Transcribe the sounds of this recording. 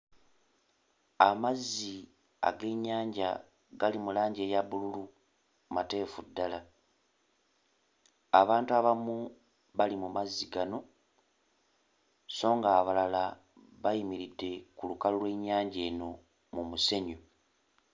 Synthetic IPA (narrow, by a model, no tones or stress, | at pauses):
amazːi | a̰ɡe̞ɲaːɲɟa̰ | ɡalimulaːɲɟe̞ːjaβululu | mate̞ːfudːala | aβaːntuaβamu | βalimumazːiɡano̞ | so̞ːŋɡaːβalala | βajimiɾidːe̞kulukalulwe̞ɲːaːɲɟe̞ːno̞ | mumuse̞ɲo